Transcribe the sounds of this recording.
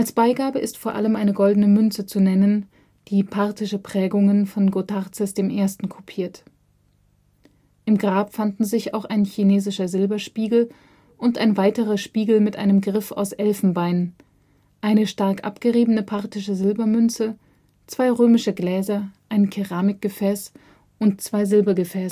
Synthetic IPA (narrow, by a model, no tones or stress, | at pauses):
ʔalsb̥aɪɡaːbəɪstfoːɐʔaləmʔaɪnəɡɔldn̩əmʏnt͡sət͡sunɛnən | d̥iːpʰaʁtɪʃəpʁ̥ɛːɡʊŋənfɔnɡotʰaʁt͡sɛsd̥eːmʔeːɐstn̩kʰʊpʰiːɐt | ʔɪmɡʁaːpfandn̩zɪça̰ʊxaɪnçineːzɪʃɐzɪlbɐʃpiːɡl̩ | ʔʊntʔa̰ɪnvaɪtəʁɐʃpiːɡl̩mɪtʔa̰ɪnəmɡʁɪfa̰ʊsʔɛlfn̩baɪnən | ʔaɪnəʃtaɐkʔa̰pɡ̥əʁiːbənəpʰaʁtɪʃəzɪlbɐmʏnt͡sə | t͡sv̥aɪʁøːmɪʃəɡlɛːzɐʔaɪnkʰɛʁaːmɪk̚ɡ̥əfɛːs | ʔʊntt͡sv̥aɪzɪlbɐɡəfɛːs